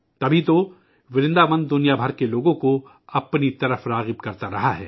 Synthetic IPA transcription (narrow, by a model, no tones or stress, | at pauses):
t̪ɐbʱit̪o | ʋɪɾɪ̃nd̪amə̃nd̪d̪ʊnijabʱəɾkeloːɡõko | ɐpnit̪ɐɾəfɾaːɣɪb̚kɐɾt̪aɾɐɦaɦɛ̰ː